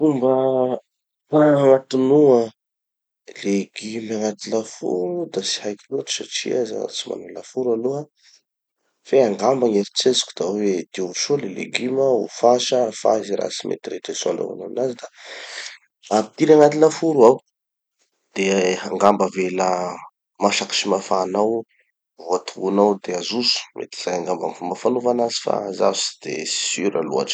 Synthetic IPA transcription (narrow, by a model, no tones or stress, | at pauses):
umbə | mat̪unuə | leɡimaŋat̪ilafṵɾud̪asi̥hajkilot̪u̥saʈ͡ʂḭaza̰a̰t͡sima̰nulafuɾalua | feaŋɡambaŋeɾit͡sezi̥ku̥d̪̥awed̪̥iʃolelḛɡiməṵfaʃəfa̰ziɾa̰simʔḛt̪iɾeʈ͡ʂesa̰la̰wa̰na̰nazid̪a | apit̪iɾaŋat̪inəfuɾuaw | d̪̥eaŋɡambəvelə | maʃaki̥ʃimafaːnaw | vuat̪ʰuunawd̪eazusu̥mʔḛt̪i̥z̥ajaŋɡambaŋfumbəfanuvanazi̥fa̰za̰vsi̥d̪̥ḛsi̥syɾa̰lṵa̰ʈ͡ʂə̥